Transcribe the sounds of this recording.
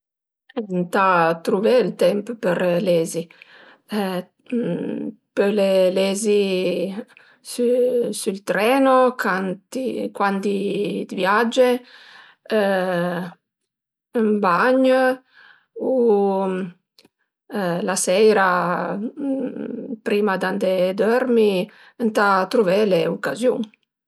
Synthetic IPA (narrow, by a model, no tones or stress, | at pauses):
ɛnt̪at̪ɾuvelt̪ɛmppəɾlɛːzi | pølelezi | susult̪ɾɛːnokant̪ikwand̪id̪vjad͡ʒe | mbaɲ | u | lasɛjɾa | pɾiːmad̪and̪ed̪œɾmi | ənt̪at̪ɾuvɛleukazjṵŋ